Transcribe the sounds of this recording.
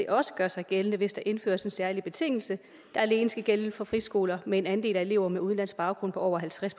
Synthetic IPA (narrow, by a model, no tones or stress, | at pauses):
e̝ʔɒ̽sə̥ɡ̥ɶɐsɑ̈ɪɡ̥elnəʋe̝sd̥ɑ̈ʔe̝nfø̰ːɐse̝nsæɐlib̥e̝t͡sʰe̝ŋ̰l̩sə | d̥ɑ̈ɐæle̝ːnəsɡ̥æɡ̥elfɒ̽fʁisɡ̥o̝ːlɐmee̝nænd̥e̝̰ːlæe̝le̝ʊ̰ɐmeuð̞ˠn̩læn̰sɡ̥̚b̥ɑ̈ʊɡ̥ʁɔ̽n̰pʰɒ̽ɒʊɐɦælt͡sʰʁaspʰ